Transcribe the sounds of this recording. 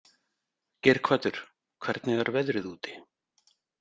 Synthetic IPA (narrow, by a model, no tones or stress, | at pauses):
cɛːɾ̥kʰvaːt̪ʏɾ̥ | kʰvɛɾt̪nɪɣaɾvɛðɾɪðuːt̪ɪ̥